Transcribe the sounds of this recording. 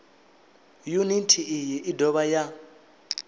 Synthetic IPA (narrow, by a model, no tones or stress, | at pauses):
junitʰiʔijɛʔidʱɔɓaja